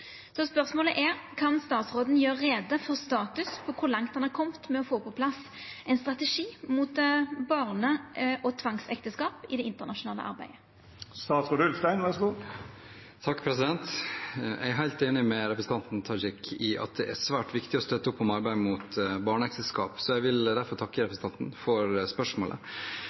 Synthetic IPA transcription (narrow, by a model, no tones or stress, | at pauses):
sɔspœʁsmoːləʔæɾkʰɑnst̪ɑːt̪sʁoːd̪n̩jøːʁːeːd̪əfɔʁst̪ɑːt̪ʉspʰɔkʰʊɾlɑŋt̪̚d̪ɛnækʰɔmt̪mɛɔfoːpʰɔpʰlɑs | ɛɪnst̪ʁɑt̪ɛʂiːmut̪bɑʁnəʔɔt̪ʰʋɑŋsɛkt̪əskɑːpɪd̪ɛɪnt̪əʁnɑʂʊnɑːlə̰ʔɑ̰ɾbæ̰ɪə | st̪ɑːt̪sɡʊd̪ʉlfst̪æɪnʋɑɾʂəɡuː | t̪ʰɑkːpʰɾɛsɪd̪ɛnt̪jæ̰æɾɦæɪlt̪eːnɪmɛɾɛpɾəsn̩ɑnt̪n̩t̪ʰɑːd͡ʒɪkʰːɪʔɑ̰t̪̚d̪ɛʔæsʋæːʈʋɪkt̪ɪɔst̪œt̪ːəɔpːɔmɑɾbæɪmut̪bɑːɳəɛkt̪ɛskɑ̰ːpsɔjæʋɪld̪æɾfɔɾt̪ʰɑkːəɾɛpɾəsn̩ɑnt̪n̩fɔɾspœʂmoːlʔə̰